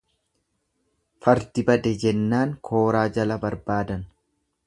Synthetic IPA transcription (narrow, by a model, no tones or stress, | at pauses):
fɐɾt̪ɪbɐd̪ɛd͡ʒɛnːaːŋkʰo̞ːɾaːd͡ʒɐlɐbɐɾbaːd̪ɐn